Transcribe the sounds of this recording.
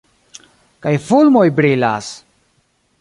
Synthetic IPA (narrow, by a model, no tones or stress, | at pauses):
kajfulmo̞jbɾila̰s